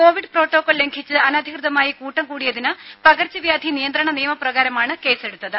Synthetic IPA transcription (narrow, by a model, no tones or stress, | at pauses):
ko̞ːʋiɖɨpro̞ːʈːo̞ːkːoːlle̞ŋɡʰʱit͡ɕːɨɐnɐːd̪ʱikrɨðɐmaːjikuːʈːɐmkuːɽijɐðinɨpɐɣɐrt͡ɕːɐʋjaːd̪ʱinijɐnd̪ɾɐɳɐnijɐmɐprɐɣaːɾɐmaːɳɨke̞ːseɽut̪ːɐðɨ